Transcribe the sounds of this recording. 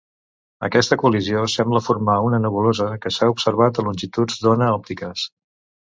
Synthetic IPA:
ə̰kɛst̪əkuəliziosɛmbləfurmaunənuβulozəkəsaupsəɾβ̞at̪əlunʲʒit̪ud͡zd̪onəɔp̚t̪ikəs

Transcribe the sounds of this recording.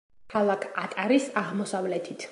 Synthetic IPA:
kʰalˠakʰat̪ʼaɾisaʁmɔsavlɛt̪ʰit̪ʰ

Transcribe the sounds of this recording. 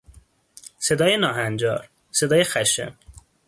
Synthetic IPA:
se̞d̪ɒːjenɒːɦænd͡ʒɒːɾ | se̞d̪ɒːjexæʃḛm

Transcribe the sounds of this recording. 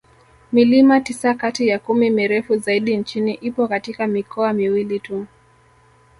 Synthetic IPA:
milimatisakatijakumimiɾɛfuzaiɗint͡ʃiniʔipɔkatikamikɔamiwilitu

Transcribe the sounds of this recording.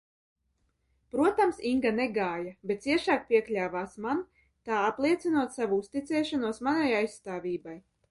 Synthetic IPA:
pɾuɔt̪amsiŋɡaneɡaːjabʲet̪t̪siɛʃaːk̚pʲiɛklʲaːvaːsman | t̪aːaplˠiɛt̪sinuɔt̪savuust̪it̪sɛːʃanuɔsmanajajssːt̪aːvʲiːbaj

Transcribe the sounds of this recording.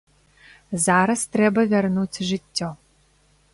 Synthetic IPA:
zaɾɐst̪ɾɛbɐvʲɛrnut͡sʲʐɨtʲːɔ

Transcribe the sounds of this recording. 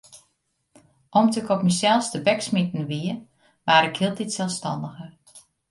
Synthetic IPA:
ʔɔmtəkɔpmɛsɛlˠstəbɛksmitn̩ʋiə | ʋaːɾɪkhiːlˠtitsɛlˠfstɑndəxər

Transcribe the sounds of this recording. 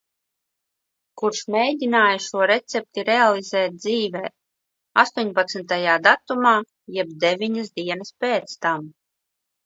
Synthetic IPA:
kuɾʃmɛjd̪ʲinaːjaʃuɔɾɛt̪sɛp̚t̪iɾealˠizɛːt̪̚d̪ziːvɛː | a̰st̪uɔɲʲpat̪snt̪ajaːd̪at̪umaː | jɛbd̪evʲiɲasd̪iɛnɐspeːt̪st̪am

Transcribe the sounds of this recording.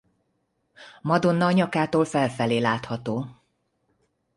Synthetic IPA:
mɒd̪onːɒɲɒkaːt̪oːlfɛlfɛleːlaːt̪hɒt̪oː

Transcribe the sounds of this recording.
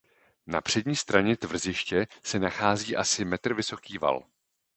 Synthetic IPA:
na̰pr̝̥ɛɟɲiːst̪ɾaɲɛt̪vr̩zɪʃcɛsɛnaxaːziːʔasɪmɛt̪r̩vɪso̞kiːva̰l

